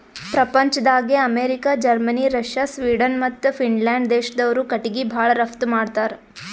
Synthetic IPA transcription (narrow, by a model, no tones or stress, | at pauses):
pɾɐpɐɲt͡ʃɐd̪aːɡeɐmeːɾikaːd͡ʒɐɾmɐniɾɐʃjaːsʋiːɖɐnmɐt̪ːupʰiɳlaːɳɖd̪eːʃɐd̪ɐʋɐɾukɐʈiɡibʱaːɭɐɾɐft̪umaːɖt̪aːɾe